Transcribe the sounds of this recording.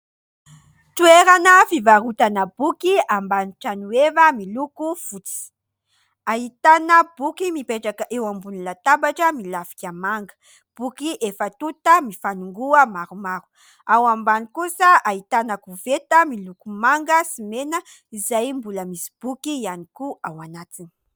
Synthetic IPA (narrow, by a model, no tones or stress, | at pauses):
t̪ueɾanəfivaɾut̪anəb̥ukiambaniʈ͡ʂanuevəmilukufut͡si̥ | aɦit̪anəbukimipeʈ͡ʂakəʔewambunilat̪abaʈ͡ʂəmilafi̥kʲamaŋɡə̥ | b̥ukiʔefət̪ut̪əmifanuŋɡuəmaɾumaɾu̥ | awambanikusəaɦit̪anakuvet̪əmilukumaŋɡəsimenə | izajmbuləmisi̥b̥ukianikuawanat̪ini̥